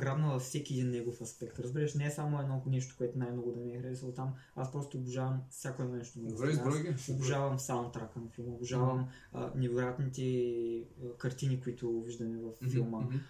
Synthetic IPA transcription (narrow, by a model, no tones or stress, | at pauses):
ɡɾad̪nəvɐfsɛkʲiɛd̪inːɛɡofɐspɛkt̪ɾəzbiɾəʃnɛɛsamʊɛd̪nɔnɛʃ̬t̪o̥koɛt̪ʊnajmnɔɡʊd̪ɐniɛxɾd̪isəlˠt̪am | aspɾɔst̪oːbuʒavɐmfsʲjakoɛnɔnɛʃt̪onɐɛobuʒavɐmfsat̪ɾakənfilˠmʊbiʒavɐm | ə̰nɛvojat̪nit̪ɛ | kɐɾt̪inikoit̪ʊviʒd̪ɐmɛvɐfːilˠmə